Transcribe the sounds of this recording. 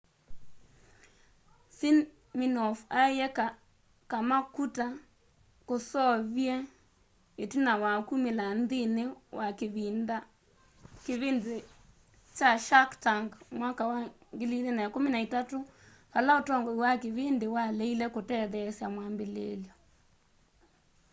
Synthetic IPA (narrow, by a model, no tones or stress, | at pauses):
sin | minɔfajɛka | kamakuta | kosɔβjɛ | etinawakumelandinewʔakeβinda | keβinde | t͡ʃaʃaktaŋɡmwakawa | ŋɡelilenaekominaitato | kalaotɔŋɡɔiwakeβendewalɛilɛkotɛðɛsjamwaːmbelḛljɔ